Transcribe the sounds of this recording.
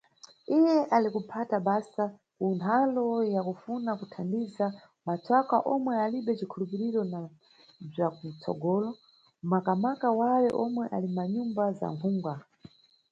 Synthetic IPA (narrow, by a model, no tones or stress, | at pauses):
ijɛʔalikupʰataɓasa | kuntʰalɔjakufunakutʰandiza | mat͡sʰwakaʔɔmwɛaliɓɛt͡ʃikʰulupiɾiɾɔna | b͡ʐakut͡sɔ̰ɡɔːlɔ | makamakawawɛʔɔmwɛʔa̰limaɲumbaza̰ɱkʰuːŋɡwa